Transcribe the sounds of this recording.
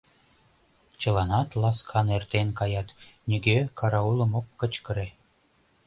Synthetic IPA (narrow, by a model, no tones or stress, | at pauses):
t͡ɕɤ̆lɑnɑt̪lɑskʰɑnert̪enkɑjɑt̪nʲyɡʲekɑɾɑulˠɤ̆mokːə̆t͡ɕkə̆ɾe